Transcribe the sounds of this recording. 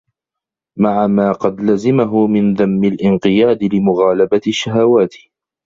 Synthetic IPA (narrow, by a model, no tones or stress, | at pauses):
maʕamaːqɑd̪lazɪmaɦʊmɪnðamːɪlʔɪnqɨjaːd̪ɪlɪmʊɣaːlabaʃːaɦawaːt̪